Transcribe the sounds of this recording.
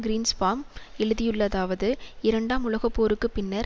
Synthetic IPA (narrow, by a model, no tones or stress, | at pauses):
ɡɪɾiːnsfaːmɛɻɯðɪjɯɭːɐðaːʋɐðɯɪɾɐɳɖaːmʊlɐɣɐpːoːɾɯkːɯpɪnːɐɾ